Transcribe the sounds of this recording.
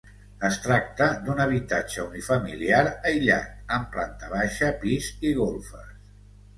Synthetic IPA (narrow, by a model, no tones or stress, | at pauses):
əst̪ɾak̚t̪əd̪unəβ̞it̪at͡ʃəunifəmḭliaɾəjʎa̰t̪̚əmpla̰nt̪əβaʃəpiziɣolˠfə̰s